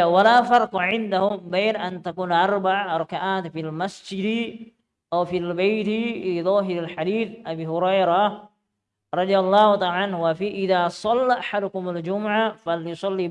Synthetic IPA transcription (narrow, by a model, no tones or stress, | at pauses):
walaːfɑɾˤqʕɪnd̪ahʊmbeːnʔant̪akuːnʔɑɾˤbaʕɾˤɑkaʔaːt̪filmasd͡ʒɪd̪ | ʔawfilbajt̪liðˤɑːɦɪɾalħad̪iːθʔabiːhʊɾˤɑjɾa | ɾˤɑd̪ˤijalˤːɑːht̪aʕanhwafiːʔɪðaːsˤɑlːaʔaħad̪ʊkʊmald͡ʒʊmʊʕafaljʊsˤɑlːi